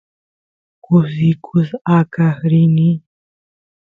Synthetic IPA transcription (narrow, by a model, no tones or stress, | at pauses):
kuzikʰuzakahɾini